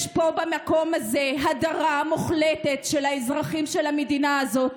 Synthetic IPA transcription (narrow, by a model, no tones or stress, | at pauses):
ʃpo̞bamako̞maze̞ɦadaʁamuχletetʃelhaezʁaχimʃelamedinaazo̞t